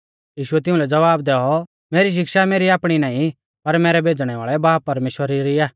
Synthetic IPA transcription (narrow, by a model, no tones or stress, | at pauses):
jiːʃʊɛt̪ɪ̃ʊ̃lɛd͡zɐʋaːbd̪ɛːɔ | meːɾiʃ̬ɪkʃameːɾiaːpɽ̃inaːĩ | pɐɾmɛːɾɛbʱeːd͡zɽ̃ɛʋa̰ːɭɛbaːpːɐɾmeːʃwəɾiɾiaː